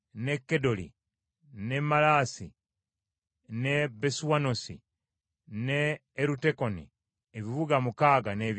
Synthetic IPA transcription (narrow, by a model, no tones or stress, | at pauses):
nekːedo̞lḭ | nemalaːsḭ | nebesuwanosḭ | neː | ɾutekonḭ | eβiβuɡamukaːɡaneβ